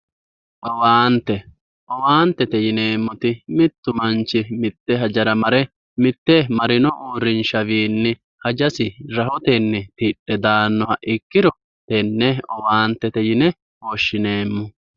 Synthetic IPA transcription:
ʔɔwaːnt̪ːɛ | ʔɔwaːnt̪ːɛt̪ɛjɪneːmːɔt̪ɪmɪt̪ːʊmɐnt͡ʃːɪmɪt̪ːɛɦɐd͡ʒɐɾɐmɐɾɛ | mɪt̪ːɛmɐɾɪnɔʔuːɾːɪnʃɐʋiːnːɪ | hɐd͡ʒɐsɪɾɐhɔt̪ɛnːɛt̪ɪɗːɛd̪aːnːɔhɐʔɪkːɪɾɔ | t̪ɛnːɛɔwaːnt̪ːɛt̪ɛjɪnɛ | oʃːɪne̞ːmːɔ

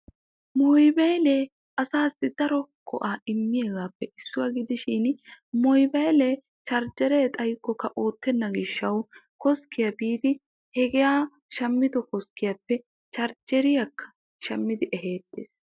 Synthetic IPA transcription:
mɔjbejle | ɐsaːsːɪd̪ɐɾɔkʰɔ̰ʔaːɪmːɪjeːɡaːpːɛʔɪsːʊwɐɡɪd̪ɪʃɪnmɔjbɐjlɛ | t͡ʃɐɾd͡ʒɛɾɛt̪ʼɐjkːɔkːɐʔo̞ːt̪ːɛnːɐɡɪʃːɐwkɔskɪjɐbiːd̪ɪ | hɛɡɛjaː | ʃɐmːɪd̪ɔkɔskɪjɐpːɛ | t͡ʃɐɾd͡ʒɛɾɪjɐkʰːɐ̥ | ʃɐmːɪd̪ɪʔɛɦeːt̪ːḛːs

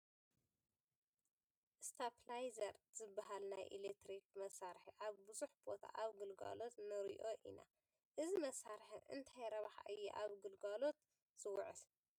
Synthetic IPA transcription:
ʔɨst̪ʰaplajzɐɾz̥ɨbːaɦalnajʔilek̚t̪ɾik̚mɐsaɾħiʔaβbɨzuħbo̞t̪ʰa̰ʔaβɡɨlɡa̰lo̞t̪nɨɾḭʔo̞ʔḭna̰ | ʔɨzimɐsaɾħɨʔɨ̰nt̪ʰajɾɐβħa̰ʔɨjːṵʔaβɡɨlɡalo̞t̪ | z̥ɨwʊʕɨ̰l

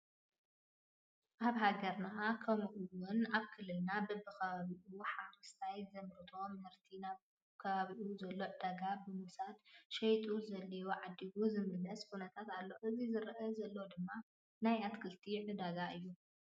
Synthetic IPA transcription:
ʔaβɦaɡɐɾnaʔakʰɐmʔuwʊnaβkʰɨlːɨlnabɨbɨkʰɐβaβiʔuħaɾɨst̪ʰajzɐmɾɨt̪ʰo̞mɨhɨɾt̪ʰinaβ | kʰɐβaβiʔuzɐlːo̞ʕɨd̪aɡabɨmusad̪ʃɐjt̪ʼuzɐlːɐjoʕad̪ːiβuzɨmɨlɐshunɐt̪ʰat̪alːo̞ʔɨzizɨɾʔɐzɐlːod̪ɨmːa | najat̪kʰɨlt̪ʰiʕɨd̪aɡaʔɨjːu

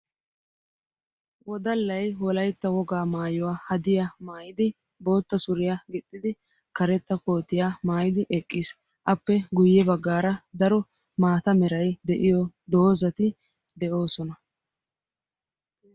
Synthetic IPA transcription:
wɔd̪ɐlːɐjwɔlɐjt̪ːɐwɔɡaːmaːjɔwaːhɐd̪ɪjamaːjɪd̪ɪ | bo̞ːt̪ːɐsʊɾɪjaɡɪt̪ʼːɪd̪ɪ | kɐɾɛt̪ːɐko̞ːt̪ːɪjaːmaːjɪd̪ɪʔɛkʼːɪs | ʔɐpːɛɡʊjːɛbɐɡːaːɾɐd̪ɐɾɔ | maːt̪ɐmɛɾɐjd̪ɛʔɪjɔd̪o̞ːzɐt̪ɪ | d̪ɛʔo̞ːsɔnɐ

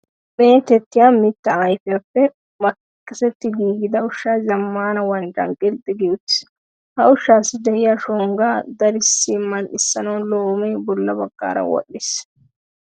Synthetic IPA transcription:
beːt̪ɛt̪ːɪjaːmɪt̪ːɐɐjfɪjapːɛ | mɐkkʼːɪsɛt̪ːɪɡiːɡɪd̪ɐʊʃːaːzɐmːaːnɐwɐnd͡ʒ̪ɐ̰ŋkʼɪld̪ɪɡɪjʊt̪ːɪ̥ | hɐʊʃːaːsːɪd̪ɛɪjaʃɔŋɡaːd̪ɐɾɪsːimːɐnɪsːɐnɐwloːmɛjbɔlːɐbɐɡːa̰ːɾɐ̰wɔ̰ɗːɪs

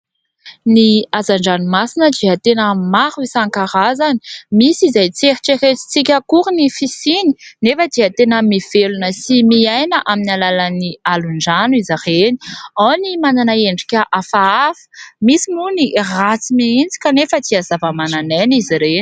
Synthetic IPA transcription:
niazaɳɖ͡ʐanumasinəd̪iət̪enəmaɾuisaŋkaɾazani̥misizajt͡seɾiʈ͡ʂeɾet͡si̥t͡sikʲəkuɾunifisini̥nefəd̪iət̪enəmiv̥elunəsimiajnəʔaminalalənialuɳɖ͡ʐanuizareni̥onimananaeɳɖ͡ʐikʲəʔafaafə̥misimunirat͡simiint͡si̥kʲanefət͡siazavəmananeniziɾeni̥

